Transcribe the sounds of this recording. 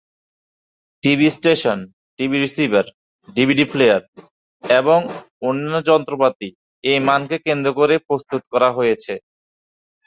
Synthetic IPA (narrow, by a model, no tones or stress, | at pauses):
ʈibisʈeʃon | ʈibiɾisibʱaɾ | ɖibʱiɖiplejaɾ | eboŋ | onːanːod͡ʑɔnt̪ɾopat̪i | ejmankekend̪ɾokoɾepɾost̪ut̪kɔɾaɦojet͡ɕʰe